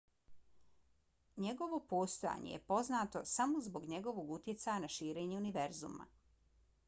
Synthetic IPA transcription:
ɲe̞ɡo̞ʋo̞po̞ːst̪o̞ja̰ɲḛjḛpo̞znaːt̪o̞samozbo̞ɡɲe̞ɡo̞ʋo̞ːɡut̪je̞t̪sajanaʃiːɾe̞ːɲeuniʋeɾzṵma̰

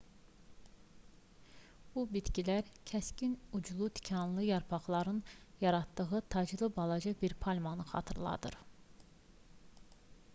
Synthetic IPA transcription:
b̥ubit̪cilæɾcʰæscinud͡ʒlˠut̪ʰi̥cʰɑnlˠɯjɑɾpʰɑχlˠɑɾɯnjɑɾɑt̪ːɯɣɯt̪ʰɑd͡ʒlˠɯbɑlˠɑd͡ʒɯbiɾpʰɑlʲmɑnɯχɑ̰t̪ʰɯɾlˠɑ̰d̪ɯ̰ɾ

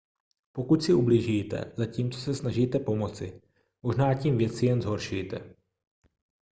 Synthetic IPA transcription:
po̞kuc̪sɪʔubliʒiːt̪ɛ̰z̥aciːmt͡so̞sɛsnaʒiːt̪ɛpo̞mo̞t͡sɪ | mo̞ʒnaːciːmvjɛt͡sɪjɛnzɦo̞ɾʃujt̪ɛ̰

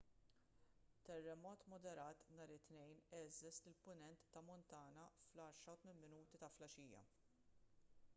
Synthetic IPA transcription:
t̪ɛrːɛmɔːt̪mɔd̪ɛɾɐːt̪nɐːɾɪt̪nɛjnɛzɛslɪlpʊnɛnt̪ːɐmɔnt̪ɐːnɐflɐːɾʃɾɐwt̪mɪnmɪnuːt̪it̪ɐflɐʃiːjɐ̰

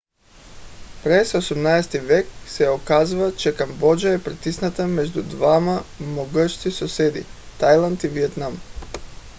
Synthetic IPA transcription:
pɾesosamnaest̪iʋekseokaziʋat͡ʃekambod͡ʒaepɾet̪isnat̪amed͡ʒd̪ud̪ʋamamoɡʃt̪isosed̪ḭt̪ajlˠandt̪iʋijet̪nam

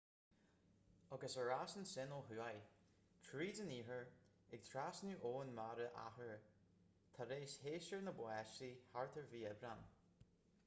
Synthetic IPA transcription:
aɡəsəɹasənsɪnəlɦʉːaj | kʰɾiːdəniːɦəɹ | ɪɡ̚t̪ʰɾaːsnuʔoːənmaɾəʔa̰həɹ | t̪ʰaɾeːsheːʃəɹnəbwɛʃiːhaɹt̪ʰəɹviːɛbɾan

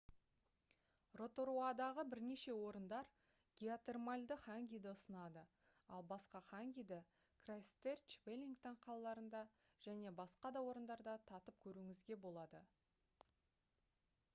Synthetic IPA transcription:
ro̞t̪o̞ɾuad̪ɑʁəbɪɾne̞ʃe̞wo̞ɾənd̪ɑɾ | ɡʲiat̪e̞rmalʲd̪əχaŋɡʲijd̪ɪʊsənɑd̪ə | ɑlˠbɑsqɑχaŋɡʲijd̪ɪ | krast̪ert͡ʃpelʲiŋkt̪ɪɴqʰɑlˠɑlˠɑɾənd̪ɑ | ʒ̥æne̞bɑsqɑd̪ɑwo̞ɾənd̪ɑɾd̪ɑt̪ʰɑt̪əp̚kʲʰɵɾuŋɪzɡʲe̞bo̞lˠɑd̪ə

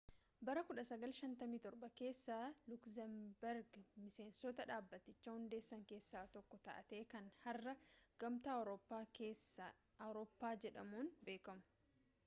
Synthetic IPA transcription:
bɐɾɐkʊᶑɐsɐɡɐlʃɐnt̪ɐmiːt̪ɔɾɓɐke̞ːsːaːlʊksɛmbɛɾɡmɪse̞ːnsɔt̪ɐᶑaːbːɐt̪ːɪt͡ʃːɐhʊnd̪e̞ːsːɐŋke̞ːsːaːt̪ɔkːɔt̪ɐʔɐ̰t̪e̞ːkɐnhɐrːɐɡ̥ɐmt̪awɾopːaːkeːs | ɐwɾoːpːaːd͡ʒɛᶑɐmuːnbe̞ːkɐmʊ̥

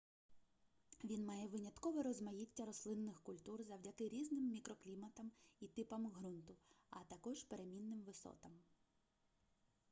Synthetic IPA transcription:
ʋʲinmɑjɛʋɪnʲɐt̪kɔʋɔɾɔzmɐjitʲːɐɾɔslˠɪnːɪxkʊlʲt̪urzɐwdʲɐt̪ɪɾʲiznɪmːʲikɾɔklʲimɐt̪ɐmit̪ɪpɐmɦɾunt̪ʊ | ɐ̰t̪ɐkɔʒpeɾemʲinːɪmʋɪsɔ̰t̪ɐm

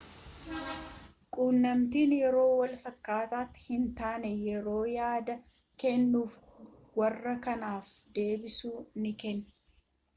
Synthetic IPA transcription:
kʼuːnːɐmt̪iːnjɛɾo̞ːwɐlfɐkːaːt̪aːt̪ːɪ̥hɪnt̪aːnɛjɛɾo̞ːjaːd̪ɐ | kɛnːuːf | wɐrːɐkɐnaːfd̪e̞ːbɪsuːnɪkɛnː

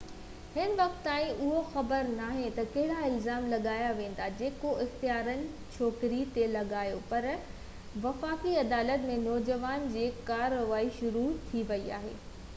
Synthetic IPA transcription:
hɪnʋɐk̚t̪ːaːĩʔʊɦoxɐbəɾnaːɦẽt̪ɐkɐɦɪɽaɪlzaːmlɐɠaːjaʋẽːn̆d̪ad͡ʑeːkoɪxt̪ijaːɾənɪ̆ | t͡ɕʰɔːkɾit̪elɐɠaːjopɐɾ | ʋɐfaːkiɐd̪aːlət̪mẽnɔːd͡ʑəʋaːnd͡ʑiːkaːɾoʋaːiʃʊɾut̪ʰiʋɐia̰ːɦḛː

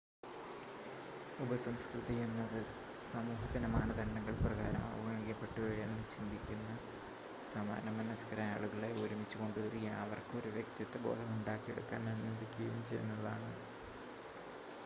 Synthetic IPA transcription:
ubɐsɐmskrɨðijenːɐðɨ | sɐmuːɦɐt̪ɐnɐmaːnɐd̪ɐɳɖɐŋːɐɭprɐɣa̰ːɾɐ̰mɐ̰ʋɐɡɐɳikʲːɐpːe̞ʈːuʋeɻijɐːnnːɨt͡ɕind̪ʱikʲːunːɐ | sama̰ːnɐmɐnɐskɐɾɐa̰ːɭuɣɐɭeoːɾumit͡ɕːuko̞ɳɖuðɐrijaɐʋɐrkɨo̞ɾuʋjek̚t̪jɐt̪ːebo̞̰ːd̪ʱɐmuɳɖaːkːieɽṵkːa̰ːnenːend̪ikʲːijumt͡ɕejṵnːɐða̰ːɳɨ

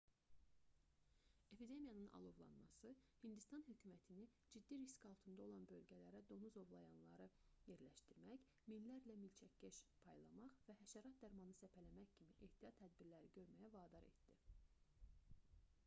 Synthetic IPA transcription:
e̞pʰid̪e̞mijɑnɯnʔɑ̰lˠovlˠɑ̰nmɑsɯhind̪ist̪ɑnhøcʰyːmæt̪ʰini | d͡ʒid̪ːiɾiskɑlˠt̪ʰɯnd̪ɑo̞lˠɑnbø̞lɟælæɾæd̪o̞nuzo̞vlˠɑjɑnlˠɑɾɯje̞ɾlæʃt̪iɾmæç | milːæɾlæmilt͡ʃʰæcʲːæʃpʰɑjlˠɑmɑʁvæhæʃæɾɑt̪̚d̪æɾmɑnɯsæpʰælæmæçcʰimiʔe̞ht̪ʰijɑt̪ʰːæd̪̚biɾlæɾiɟøɾmæjævɑːd̪ɑɾe̞̰t̪d̪̥i

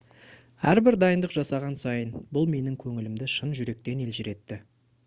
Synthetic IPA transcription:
æɾbɪɾd̪ɑjənd̪əqʒɑsɑʁɑnsɑjənbʊlˠme̞nɪŋkʲʰɵŋɪlɪmd̪ɪʃənʒʏɾe̞k̚t̪e̞ne̞lʒɪɾe̞t̪ːɪ

